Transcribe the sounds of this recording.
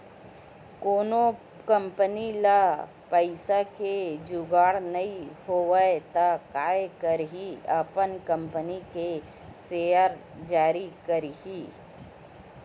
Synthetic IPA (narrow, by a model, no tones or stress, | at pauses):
koːno | kə̃mpənila | pəɪsaked͡ʒʊɡaːɽnɐĩhoːʋəet̪akaːekəɾɦiəpənkə̃mpənike | seːəɾ | d͡ʒaːɾikəɾɦiː